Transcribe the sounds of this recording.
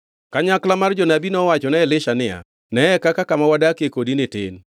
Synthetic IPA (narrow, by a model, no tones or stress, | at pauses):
kaɲaklamard͡ʒɔnabinɔwat͡ʃɔnɛlɪʃanɪa̰ | nɛɛkakakamawadakekodinetḛn